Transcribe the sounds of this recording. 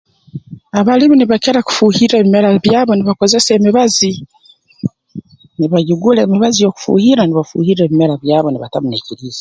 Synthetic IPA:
aβaliminiβakeɾaku̥fuhiɾeβimeɾaβjaːβo̞niβako̞zeseːmiβazi | niβaɟiɡuleːmiβazijo̞ku̥fṵhiɾaniβafṵhiɾɾeːβimeɾaβjaːβoniβatamuneciɾiza

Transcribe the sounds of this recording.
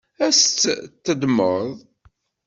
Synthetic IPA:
æst͡sːəd̪məðˤ

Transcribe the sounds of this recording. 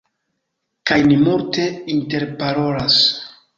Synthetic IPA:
kajnimulte̞inte̞ɾpaɾo̞las

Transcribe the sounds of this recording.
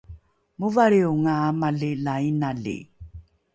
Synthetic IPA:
muvaɾiuŋaːmalilainalḭ

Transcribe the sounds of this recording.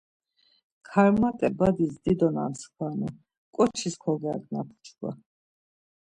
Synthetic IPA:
kʰaɾmat̪ʼɛbad̪isd̪id̪ɔna̰nskʰwanɔ | kʼɔt͡ʃʰiskʰɔɡɛa̰d̪napʰu̥t͡ʃʰɡa̰

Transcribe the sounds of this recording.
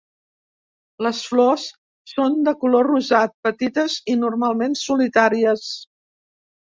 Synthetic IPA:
ləsflɔsː | ond̪əkuloruzat̪̚pət̪it̪əzinurmalˠmensulit̪aɾiəs

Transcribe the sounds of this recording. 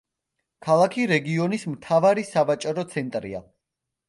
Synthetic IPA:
kʰalˠakʰiɾɛɡiɔnismt̪ʰavaɾisavat͡ʃʼɾɔt̪sʰɛnt̪ʼɾḭa̰

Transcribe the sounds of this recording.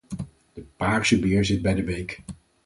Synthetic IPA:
d̥əpaːɹsəbɪːɹzɪt̚bɛjdəbejk

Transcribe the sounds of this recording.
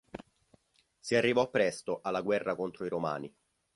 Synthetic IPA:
siarːivɔpːɾɛst̪oʔalːaɡwɛrːakont̪ɾoiɾoma̰ːni

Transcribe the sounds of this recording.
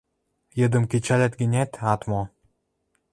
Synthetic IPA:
jɤ̆d̪ə̆mket͡ɕɑlʲæt̪ɡɘ̆nʲæt̪ɑt̪mo

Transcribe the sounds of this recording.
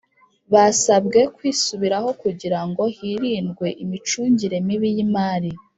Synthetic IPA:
βasabɡe̞kwiːsuβiɾaho̞kuɟiɾaŋɡo̞hiːɾiːnɡwe̞ʔimit͡ʃuːɲɟiɾe̞miβijimaːɾi

